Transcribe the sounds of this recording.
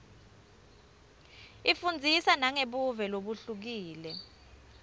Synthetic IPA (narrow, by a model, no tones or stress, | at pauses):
ifund͡zʱisanaŋeɓuvɛloɓuɬuk̬iːlɛ